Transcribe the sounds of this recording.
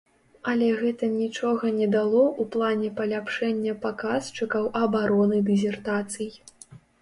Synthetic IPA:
ɐlʲɛɣɛt̪ɐnʲit͡ʂɔɣɐnʲɛd̪alˠɔʔuplˠanʲɛpɐlʲapʂɛnʲːɐpakast͡ʂɨkɐwʔɐbaɾɔnɨd̪ɨzʲɛrt̪at̪sɨj

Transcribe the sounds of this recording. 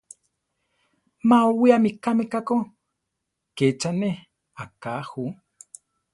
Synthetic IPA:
maowiamikamekako | ket͡ʃaneh | akahu

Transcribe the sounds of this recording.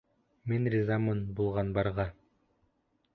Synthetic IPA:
minrʲɪzamɤnbulˠʁɑnbɑɾʁɑ

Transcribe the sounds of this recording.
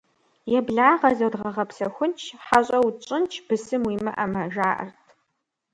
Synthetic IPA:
jɛbɮaːʁɐzɐdʁɐʁɐpsɐxʷʊnt͡ʃʰħaɕʼɐwt͡ʃʼɪnt͡ʃʰb̥ɨsɨmwiːmɨʔɐmɐʒaːʔɐ̰rtʰ

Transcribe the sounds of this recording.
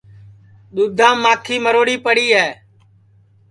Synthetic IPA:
ɗ̪uːd̪ʱãːmãːkʰiːməɾoːɽiːpəɽiːɦɛː

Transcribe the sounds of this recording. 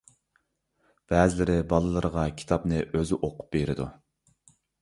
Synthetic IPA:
b̥ɛːzɪlɪɾɪbɑlˠɨlˠɨɾəʁɑkʲʰi̥t̪ʰɑpnɨʔøzɪʔoqʊ̥p̚beɾɪd̪u

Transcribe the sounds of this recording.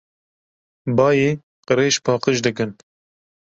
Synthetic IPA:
bɑːjeː | qɨɾeːʃpʰɑːqəʃd̪ɨkɨn

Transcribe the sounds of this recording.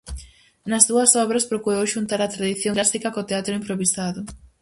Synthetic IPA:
nɐzðuɐsɔβɾɐspɾokuɾowʃunt̪aɾɐt̪ɾaðiθjoŋlasikɐkot̪eat̪ɾʊimpɾoβisaðʊ

